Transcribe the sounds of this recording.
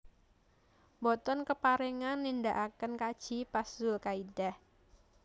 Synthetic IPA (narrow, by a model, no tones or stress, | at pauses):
bɔt̪ɔnkəpaɾeŋanːindaʔakənkad̥ʒ̥ipasʊlkaidah